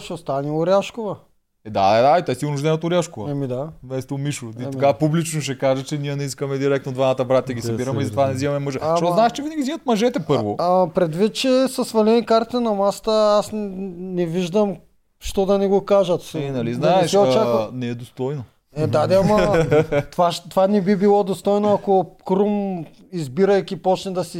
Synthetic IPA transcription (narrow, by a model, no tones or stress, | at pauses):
ʃɛst̪anioɾjaʃkovɐ | ɛd̪aɛd̪ait̪ɛsiʊnuʒd̪ɛnət̪ʊɾjaʃkovɐɛmid̪amɛst̪omiʃot̪itɐkapublit͡ʃnoʃ̬ɛkaʒɐt͡ʃɛnijənɛiskɐmɛd̪iɾɛkt̪nod̪vanat̪ɐbɾat̪ʲjɐɡʲisɐiɾɐmɛizɐt̪vanɛzimɐmɛmɐʒɛʃt̪ɔznaɛʃt͡ʃɛvinəɡʲizimɐt̪mɐʒɛt̪ɛpɤɾvopɾɛd̪vit̪̚t͡ʃɛsɐsvɐlɛnikaɾt̪inɐmast̪əasnɛviʒd̪ɐm | ʃt̪ɔd̪ɐnɛɡokaʒɐt̪nɐliznaɛʃɛot͡ʃaknɛɛd̪ost̪ɔjno | ɛd̪ad̪ɛamɐt̪vaʃt̪ovanɛbibilˠɔd̪ost̪ɔjnoɐkokɾum | izbiɾɐjkʲipɔt͡ʃnɛd̪ɐsi